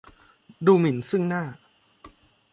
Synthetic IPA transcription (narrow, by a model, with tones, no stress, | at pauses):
duː˧mi˩˦nsɯ˥˩ŋnaː˥˩